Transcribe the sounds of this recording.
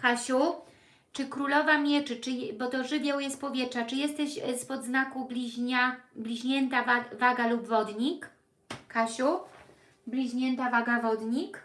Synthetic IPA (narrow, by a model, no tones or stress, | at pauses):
kaɕu | t͡ʂɘkɾulɔvamʲjɛt͡ʂɘt͡ʂɘbɔt̪ɔʐɘvʲjɛwjɛst̪̚pɔvʲjɛtʂat͡ʂɘjɛst̪ɛʑspɔd̪znakublʲiʑɲablʲiʑɲɛnt̪aavaɡalubvɔd̪ɲik | kaɕu | blʲiʑɲɛnt̪avaɡavɔd̪ɲik